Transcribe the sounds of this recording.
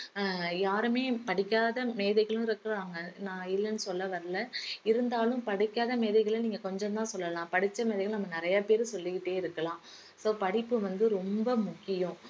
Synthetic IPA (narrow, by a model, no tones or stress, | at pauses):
jaːɾɯmeːpɐɽɪkːaːðɐmeːðɐɪɣɐɭɯ̃ɪɾɯkːɯɾaːŋɡɐnãːɪlːɐnːɯsɔlːɐʋɐɾlɐɪɾɯnd̪aːlɯ̃mpɐɽɪkːaːðɐmeːðɐɪɣɐɭɐniːŋɡɐkɔɲd͡ʒɔ̃nt̪ãːsɔlːɐlãːpɐɽɪt͡ʃːɐmeːðɐɛɣɐɭnɐmːɐnɪɾɐjapeːɾɯsɔlːɪkɪʈːeːɪɾɯkːɐlãː | soːpɐɽɪpːɯʋɐnd̪ɯɾɔmbɐmʊkːɪjʊ̃